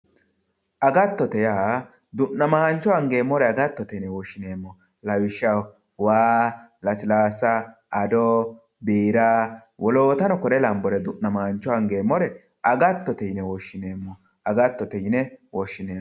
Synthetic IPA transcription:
ʔɐɡɐt̪ːɔt̪ɛjaː | d̪ʊʔnːɐmɐhɐnt͡ʃːɔɐŋɡe̞ːmːɔɾɛɐɡɐt̪ːɔt̪ɛjnɛwɔʃːɪne̞ːmːɔ | lɐwɪʃɐw | waːlɐsɪlaːsɐʔɐd̪ɔ | biːɾawʔɔloːt̪ɐnɔkɔɾɛlɐmbɔɾɛd̪ʊʔnːɐmɐhɐnt͡ʃːɔɐŋɡe̞ːmːɔɾɛ | ʔɐɡɐt̪ːɔt̪ɛjnɛwɔʃːɪneːmːɔ | ɐɡɐt̪ːɔt̪ɛjɪnɛwɔʃːɪneː

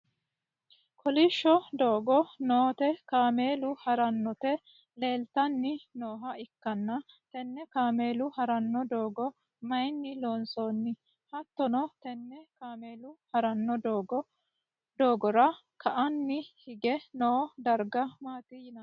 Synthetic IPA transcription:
kʰɔlɪʃːɔd̪oːɡɔnoːt̪ɛkaːme̞ːlʊhɐɾɐnːɔt̪ɛ | le̞ːlt̪ɐnːɪno̞ːɦɐɪkːɐnːɐ | t̪ɛnːɛkaːme̞ːlʊhɐɾɐnːɔd̪oːɡɔ | mɐjnːɪloːnsoːnːɪ | hɐt̪ːɔnɔt̪ɛnːɛkaːmeːlʊhɐɾɐnːɔd̪oːɡɔ | d̪oːɡɔɾɐ | kʰɐʔɐnːɪhɪɡɛnoːd̪ɐɾɡɐmaːt̪ɪjɪnɐ

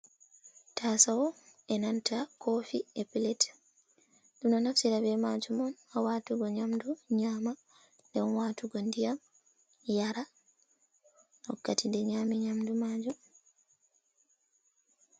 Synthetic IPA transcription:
tʰasawɔɛnantakʰofiepilɛt | dunanafsiɾabɛmaːd͡ʒumɔnawaːtuɡɔɲamduɲaːma | dɛnwaːtuɡɔndijam | jaɾa | hɔkːatʰindɛɲaːmiɲamdumaːd͡ʒɔ

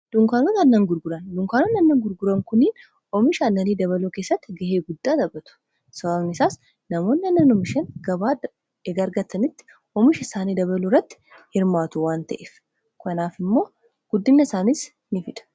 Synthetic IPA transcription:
d̪̥ʊŋkaːnʊnɐnːɐŋɡʊɾɡʊɾɐnd̪ʊŋkaːnʊnɐnːɐŋɡʊɾɡʊɾɐŋkʊnːin | ɔmɪʃɐɐnːɐniːd̪ɐβɐloːkeːsːɐt̪ːɪɡɐheːɡʊd̪ːaːd̪ɐbːɐt̪ʊ̥ | sɐbaːβnɪsaːs | nɐmo̞ːnːɪɐnːɐnɔmɪʃɐnɡɐbaː | eɡɐɐɾɡɐt̪ʰːɐnɪt̪ːɪ̥ | ɔmɪʃɐsaːniːd̪ɐβɐlʊrːɐt̪ːɪ̥ | hɪɾmaːt̪ʊwaːnt̪ɐʔef | kɐnaːfɪmːo̞ː | ɡ̥ʊd̪ːɪmnːɐɪsaːnis | nɪfɪᶑ̪ɐ̥

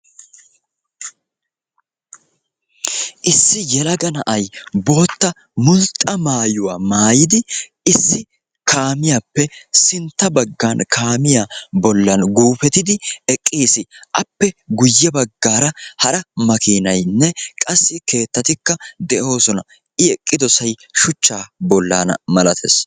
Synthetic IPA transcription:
ʔɪsːɪjɛlɐɡɐnɐʔɐjbo̞ːt̪ːɐ | mʊlt̪ʼːɐmaːjʊwaːmaːjɪd̪ɪ | ɪsːɪ | kʰaːmɪjapːɛsɪnt̪ːɐbɐɡːankʰaːmɪjabɔlːɐnɡuːfɛt̪ɪd̪ɪɛkʼːiːsɪʔɐpːɛɡʊjːɛbɐɡːaːɾɐhɐɾɐmɐkiːnɐjnːɛkʼɐsːɪke̞ːt̪ːɐt̪ɪkːɐd̪ɛʔo̞ːsɔnɐ̰ | ʔɪɛkʼːɪd̪ɔsɐjʃʊt͡ʃːaːbɔlːa̰ːnɐ̰mɐlɐt̪ʰḛs

